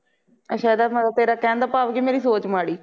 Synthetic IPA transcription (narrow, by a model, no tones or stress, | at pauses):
əʃaːd̪aːməət̪eːɾaːkɛ̃ːnd̪aːpaːʋɡiːmeːɾiːsoːt͡ʃmaːɽiː